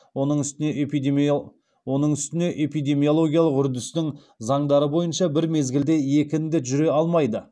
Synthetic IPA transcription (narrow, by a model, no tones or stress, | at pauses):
wo̞nəɴʏst̪ɪne̞e | wo̞nəɴʏst̪ɪne̞ʔe̞pijd̪e̞mijo̞lˠo̞ɡʲijɑlˠəqʏɾd̪ɪst̪ɪŋ | zɑɴd̪ɑɾəbo̞jənʃɑbɪɾme̞zɡʲɪld̪e̞je̞kʲɪnd̪ɪʒʏɾe̞ɑlˠmɑjd̪ə